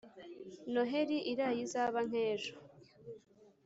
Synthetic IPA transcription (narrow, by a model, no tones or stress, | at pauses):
noɦeɾiʔiɾajizaːβaŋ̥eːʒo